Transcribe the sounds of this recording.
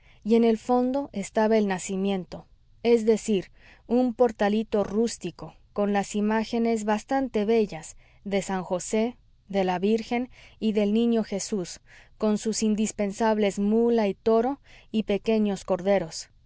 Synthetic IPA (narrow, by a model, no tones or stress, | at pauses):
je̞ne̞lfo̞nd̪o̞ʔe̞st̪aβae̞lnasimjẽ̞nt̪o̞ | e̞zðe̞siɾ | umpo̞ɾt̪alit̪o̞rust̪iko̞ | ko̞nlasimaxe̞ne̞zβast̪ant̪e̞βe̞ʝaz | ðe̞saŋxo̞se̞ | ðe̞laβiɾxe̞niðe̞lnĩɲo̞xe̞susko̞nsusind̪ispe̞nsaβle̞zmulait̪o̞ɾo̞ipe̞ke̞ɲo̞sko̞ɾðe̞ɾo̞s